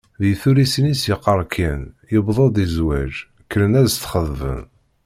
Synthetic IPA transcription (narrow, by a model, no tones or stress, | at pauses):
ðjθuɾisnisjəqːəɾˤkʰinjəbðˤɑd̪ˤizwæʒ | kːələnæðst̪ːχəðvə̰n